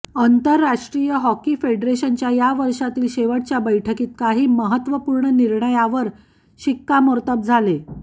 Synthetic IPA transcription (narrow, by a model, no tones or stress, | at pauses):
ənt̪əɾːaʂʈɾijəɦɔkiːfeɖɾeɕənt͡ɕjajaʋəɾʂat̪iːlɕeʋəʈt͡ɕjabəjʈʰəkiːt̪kaɦiːməɦət̪ʋəpuːɾɳəniɾɳəjaʋəɾ | ɕikːamoɾt̪əb̚d͡zʱale